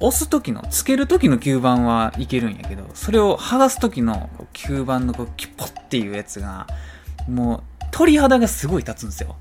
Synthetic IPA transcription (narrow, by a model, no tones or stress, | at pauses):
osɨt̪o̞kʲino̰t͡sɨ̥ke̞ɾɯ̟t̪o̞kʲino̞kʲɨːbãɰ̃βaike̞ɾɯ̟̃ɰ̃ja̰ke̞d̪o̞̰so̞ɾe̞o̞haɡasɨ̥t̪okʲino̞̰ko̞̰ːkʲʰɯːbãnːo̞ko̞ːkʲi̥pʰːo̥t̪ːe̞jɯ̟ːjat͡sɨɡa̰ | moːt̪ʰo̞ɾʲihad̪aɡasɨɡo̞it̪at͡sɨ̃nd̪sɨjo̰